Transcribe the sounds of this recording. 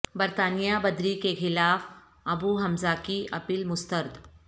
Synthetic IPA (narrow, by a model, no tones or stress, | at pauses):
bəɾt̪aːnijabɐd̪ɾikexɪlaːf | ɐbuɦɐmzakiʔɐpiːlmʊst̪əɾd̪